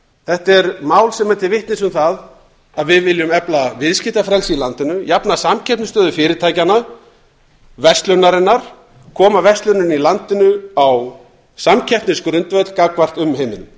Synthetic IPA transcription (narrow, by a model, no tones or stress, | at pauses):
θɛht̪ɛɾmaːwlsɛmɛt̪ɪɾvɪht̪nɪsʏmθað | aðvɪðvɪljʏmɛplavɪðscɪht̪afɾɛlsilant̪ɪnʏjapnasamcʰɛhp̪nʏst̪œːðʏfɪːɾɪɾt̪ʰaːjcana | vɛst̪lʏnːaɾɪnːaɾ̥ | kʰɔːmavɛst̪lʏnʏnilant̪ɪnʏaw | samcʰɛhptnɪskɾʏnt̪vœt̪lkakvar̥t̪ʏmɦeːjmɪnʏm